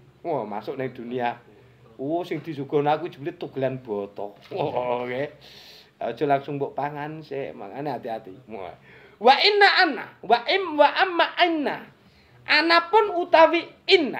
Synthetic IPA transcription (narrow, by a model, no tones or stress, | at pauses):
wɔma̰sʊʔnɪŋd̪̥ṳnia | usɪŋd̪̥i̤suɡ̥ɔ̤nak̬u̥ʒ̥u̥blit̪uɡ̥lanb̥ɔt̪ɔwɔke | ɔd̥ʒ̥ɔ̤laŋsʊŋbɔʔpaŋansḛʔma̰ŋaneat̪iat̪ḭ | waʔinːaʔana̰waʔɪmwaʔamːaʔinːa | ʔanapʊnut̪awiːnːa